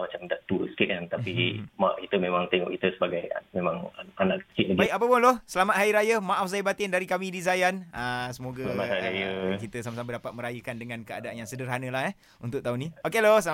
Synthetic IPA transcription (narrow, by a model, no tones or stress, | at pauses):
mat͡ʃamdaʔt̪usə̥kiʔ̪ant̪apimaʔkit̪əmemãŋt̪ɛŋɔ̰ʔkit̪əsəbaɡaja̰memãŋanaʔk̚tiʔ̚laɡbaikapəpʊnlohsəlamat̪̚haiɾajəmaʔafzajbat̪ɪndaɾikamĩdizajanəsəmoɡalamaaajəkit̪əsamasabədapat̪̚məɾajəkandəŋãnkəa̰daanjaŋsədərɦanə̃laɦɛh | unt̪ʊk̚t̪aunĩokelosəl